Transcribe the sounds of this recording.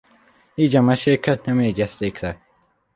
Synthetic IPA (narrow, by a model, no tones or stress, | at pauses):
iːd͡ʒɐmɐʃeːkʰɐt̪nɐmeːd͡ʒɐst̪eːkʰɾɐ